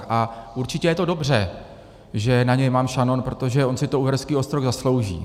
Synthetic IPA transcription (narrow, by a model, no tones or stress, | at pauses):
ʔaʔuɾt͡ʃɪcɛjɛt̪odo̞br̝ɛ | ʒɛnaɲɛjmaːmʃanonpɾo̞t̪o̞ʒɛʔonsɪt̪ouːvɛɾɛskiːost̪ɾoɣzaslo̞wʒḭː